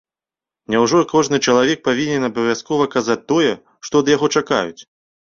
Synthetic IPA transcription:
nʲawʐɔkʰɔʐnɨt͡ʂɐlˠavʲɛk̚pavʲinʲɛnɐbɐvʲjaskɔvɐkazat͡sʲt̪ːɔjɛ | ʂt̪ɔd̪jaɣɔt͡ʂaka̰jut͡sʲ

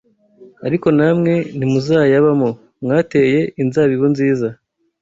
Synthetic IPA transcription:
aɾiko̞namŋe̞nimuzaːjaβamo | mŋaːte̞je̞inzaβiβonziːza

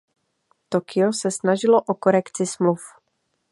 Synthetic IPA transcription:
t̪o̞kɪosɛsnaʒɪloʔoko̞ɾɛkt͡sɪsmluf

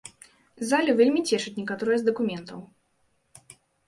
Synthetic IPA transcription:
zalʲuvʲelʲmʲit͡sʲɛʂɨt͡sʲnʲɛkat̪ɔɾɨjɐzd̪ɐkumʲɛnt̪ɐw

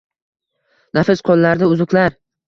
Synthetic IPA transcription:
nafɪsqʰɒnːaɾd̪aʊzʊkʲlaɾ

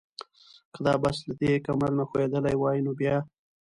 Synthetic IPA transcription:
kəd̪ɑbaslad̪ekamaɾnaxoed̪əlajwɑjinobjɑ

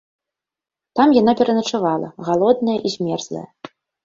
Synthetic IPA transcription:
t̪amjan̪apʲɛɾɐnɐt͡ʂavalˠɐ̰ɣalˠɔd̪̚nɐjɐʔizʲmʲɛrzlˠɐ̰jɐ̰

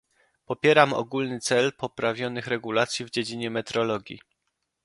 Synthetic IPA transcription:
pɔpʲjɛɾamɔ̰ɡulnɘt̪sɛlpɔpɾavʲjɔnɘxɾɛɡulat̪sʲjivd͡ʑed͡ʑiɲɛmɛt̪ɾɔlɔɡʲjḭ

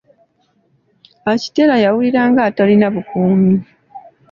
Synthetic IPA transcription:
aci̥te̞lajawuliɾaːŋɡaːtalinaβukuːmi

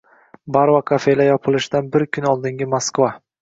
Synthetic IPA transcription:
baɾvakʰafe̞lajɒpʰɨlˠɪʃɪd̪anbɪɾkʲʰʊnɒlˠd̪ɪŋɡʲɪmoskva

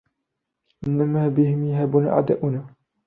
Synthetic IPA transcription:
ʔɪnːamaːbɪhɪmjaɦaːbuna̰ːʔʕa̰d̪aʔʊna

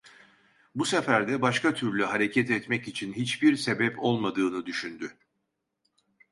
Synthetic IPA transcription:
busefæɾd̪ɛbaʃkat̪ʰyɾlʲyɦaɾe̞cʰɛt̪ɛt̪mɛcit͡ʃʰinɦit͡ʃbiɾse̞bɛpo̞lˠmad̪ɯːnɯd̪yʃynd̪y

